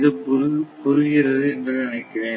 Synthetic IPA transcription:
ðɯpʊɾɯpʊɾɯɣɪɾɐðɯɛndɯnɪnɐɪkːɐʋeː

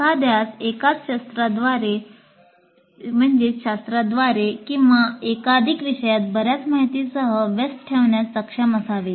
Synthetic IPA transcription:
sad̪ʱjat͡sekat͡sɕast̪ɾad̪ʋaɾe | m̤əɳd͡zeɕast̪ɾad̪ʋaɾekĩwʋaekad̪ʱikʋiʂəjat̪̚bəɾjat͡smaɦit̪isəɦəʋesʈʈʰeʋɳjat͡sːəkʂaməsaʋe

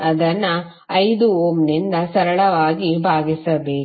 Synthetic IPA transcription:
ɐd̪ɐnːɐ | ɐjd̪uoːmnind̪ɐsɐɾɐɭɐʋaːɡibʱaːɡisɐbeː

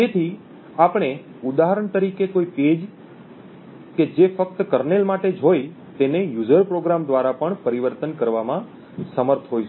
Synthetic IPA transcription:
t̪et̪ʰi | apɳ̃e | ud̪aɦəɾəɳt̪əɾikekoiped͡ʒ | ked͡ʒefəkt̪kəɾnelmaʈed͡ʒɦoj | t̪enejud͡ʒəɾpɾoɡɾamd̪ʋaɾapəɳpəɾiʋəɾt̪ənkəɾʋamã | səməɾt̪ʰɦojʃ

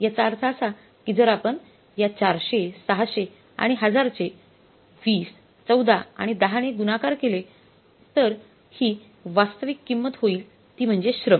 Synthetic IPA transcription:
jat͡saɾt͡saːsa | kid͡zəɾapəɳ | jat͡ɕaɾɕesəɦaɕe | a̰ɽ̃iɦəd͡zaɾt͡se | ʋiːs | t͡səwd̪aa̰ɽ̃id̪aɦaɽ̃eɡunakaɾkele | t̪əɾ | hiː | ʋast̪əʋikːimːət̪ɦoiːl | t̪iːm̤əɳd͡zeɕɾəm

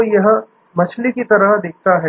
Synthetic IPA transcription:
jɐɦ | mɐt͡ʃʰlikit̪ɐɾəɦd̪ɪk̚ʰt̪aɦɛː

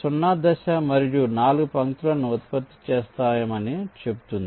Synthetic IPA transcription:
sunːad̪ɐʃɐmɐɾijunaːluɡupɐŋt̪ulɐnuɐt̪pɐt̪ːi̥t͡ʃeːst̪aːjɐmɐnit͡ʃe̞bu̥t̪und̪i

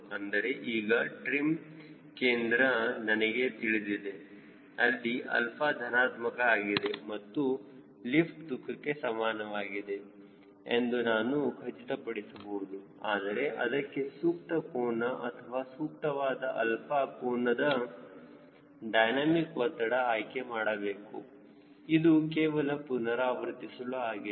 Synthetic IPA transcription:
ɐnd̪ɐɾe̞ʔiːɡɐʈɾim | keːnd̪ɾɐnɐnɐɡe̞t̪iɭid̪id̪e̞ | ɐlːiʔɐ̰lpʰaːd̪ʱɐnaːt̪mɐkɐaːɡid̪e̞mɐt̪ːu | lipʰʈd̪ukʰːɐkːe̞sɐmaːnɐʋaːɡid̪e̞ | ḛnd̪unaːnuɡʱɐt͡ʃiʈɐpɐɽisɐbɐwd̪u | aːd̪ɐɾe̞ʔɐd̪ɐkːe̞suːkʈ̪ɐpoːnɐʔɐt̪ʰɐʋaːsuːk̚ʈɐʋaːd̪ɐʔɐlpʰaːkoːnɐd̪ɐ | ɖɐjnaːmikʋɐt̪ːɐɽɐaːjkemaːɽɐbe̞ːkṵ | id̪uk̬eːʋɐlɐpunɐɾaːʋɐɾt̪isɐluaːɡi

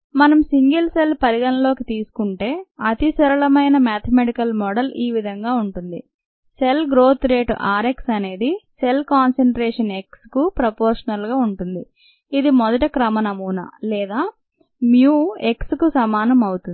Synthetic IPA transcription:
mɐnɐmsiŋɡɐlselpɐɾiɡɐnlo̞ːkit̪iːsu̥kuɳʈe̞ːɐt̪isɐɾɐɭɐmɐjnɐmaːt̪ʰɐmeʈikɐlmɔːɖɐliːʋid̪ʱɐŋɡaːuɳʈund̪ḭ | se̞lɡɾo̞ːt̪ɾe̞ːʈʔaːɾe̞ksɐne̞ːd̪ise̞lkaːnseɳʈɾeːʂɐne̞kskupɾɐpoːɾʂɐnɐlɡaːuɳʈund̪i | id̪imɔd̪ɐʈɐkɾɐmɐnɐmuːnɐ̰lɛːd̪aː | mjuːe̞kskusɐmaːnɐmɐwut̪ui

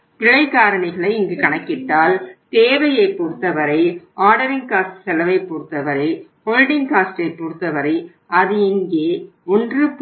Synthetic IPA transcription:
pɪɭɐɪkːaːɾɐɳɪɣɐɭɐɪɪŋɡɯkɐɳɐkːɪʈːaːlt̪eːʋɐjɐɪpːuːɾt̪ːɐʋɐɾɐɪʔaːɾɽɐɾɪŋkaːsʈsɛlɐʋɐɪpːuːɾt̪ːɐʋɐɾɐɪpɔɻɖɪŋkaːsʈɐɪpːuːɾt̪ːɐʋɐɾɐɪ | ɐðɯɪŋɡeː | ɔndrɯp

